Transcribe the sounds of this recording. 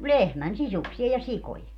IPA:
lehmæn sisuksiɑ jɑ sikoje

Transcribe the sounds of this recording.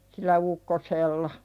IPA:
silˑæ ukːoselːɑ

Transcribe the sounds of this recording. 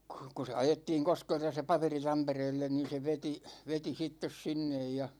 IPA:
ku̥ ku se ɑjetːiːŋ koskeltɑ se pɑperi tɑmpereːlːen niːn̞ se ʋeti ʋeti sitːes sinːej jɑ

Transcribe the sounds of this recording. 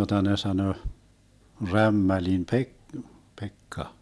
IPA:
jotɑ ne sɑnø ræmːælim pe pekːɑ

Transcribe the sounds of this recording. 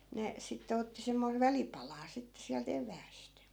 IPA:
ne sitːe otːi semːoiʋ̆ ʋælipɑlɑː sitːe siælt eʋˑæːst

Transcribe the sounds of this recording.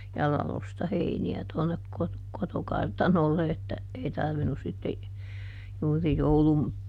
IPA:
jɑ lɑlostɑ heiniæ tuonːek kot kotokɑrtɑnolːe etːæ ei tɑrʋinus sitːe juːri joulum

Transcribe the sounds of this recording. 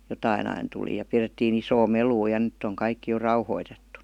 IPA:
jotɑin ɑin tuli jɑ piretːiːn isoː meluː jɑ ny̆tː oŋ kɑikːi jo rɑuhoitetːu

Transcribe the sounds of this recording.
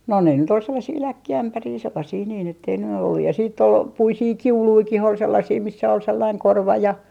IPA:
no ne nyt ol selːɑsiː lækːiæmpæriː selːɑsiː niːn etːei ny olːu jɑ siːtː ol puisiː kiuluikih ol selːɑsiː misːæ ol selːɑiŋ korʋɑ jɑ

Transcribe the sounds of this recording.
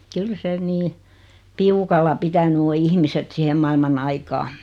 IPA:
kyl se niː piukɑlːɑ pitæny o ihmiset sihem mɑilmɑn ɑikɑː

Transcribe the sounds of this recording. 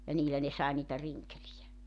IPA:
jɑ niːlæ ne sɑe niːtæ riŋkelijæ

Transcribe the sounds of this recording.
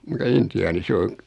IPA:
mutɑ intiɑːni se oŋ

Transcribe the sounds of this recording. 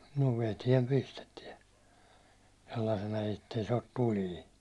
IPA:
no ʋetiɛm pistetiɛ selːɑĭsenɑ etːei se ot tuliː

